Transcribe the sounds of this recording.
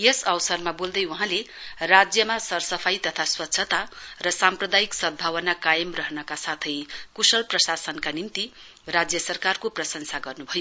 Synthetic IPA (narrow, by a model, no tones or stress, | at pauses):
jesʌwsʌrmabold̪ʌjuɦãle | rad͡zjʌmasʌrsʌpʰajt̪ʌt̪ʰaswʌtːsʰʌt̪arʌsamprʌd̪ajiksʌd̪̚bʱawʌnakajʌmrʌɦnʌkasat̪ʰʌjkusʌlprʌsasʌnkanint̪i | rad͡zjʌsʌrkarkoprʌsʌnsaɡʌrnubʱʌjo